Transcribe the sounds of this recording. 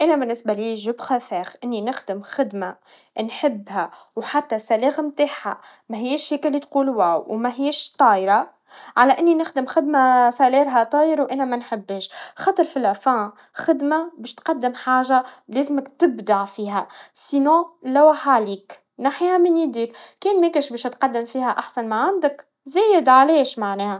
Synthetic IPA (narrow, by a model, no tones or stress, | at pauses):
ʔænæbɪnːɪsbæliːʒʊbxæfɛːxʔɪnːinɪxd̪ɪmxɪd̪ma | nħɪbːɦæ | wħat̪ːæsæleːɣmt̪aːħha̰ | mæɦɪjːæʃheːkɪlːit̪quːlwæːwwmæɦiːæʃt̪ˤɑːjɾɑ | ʕalæʔɪnːinɪxd̪ɪmxɪd̪masæliːɾɦæt̪ˤɑːjəɾwʔænæmænħɪbːeːʃxɑːt̪ˤəɾˤfilʔæfæ̃ | xɪd̪mabeːʃt̪qɑd̪ːɪmħaːʒaleːzɪmɪkt̪ɪbd̪aʕfiːɦæsinɔ̃ːlæwaħaliːk | naħihæminiːd̪iːkkeːnmekeʃbeːʃt̪qɑd̪ːɪmfiːhæʔaħsænmaʕand̪ək | zæːjɪd̪ʕaleːʃmaʕneːhæ